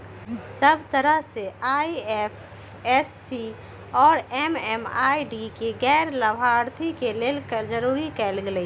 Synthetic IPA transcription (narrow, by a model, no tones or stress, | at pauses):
səb̚ʱt̪əɾəɦseaːiepʰ | ɛsːi | ɔːɾɛmɛːmaːiɖikeɡɛːɾləbʱaːɾt̪ʰikelelkəɾd͡ʒəɾuːɾikɛːlɡl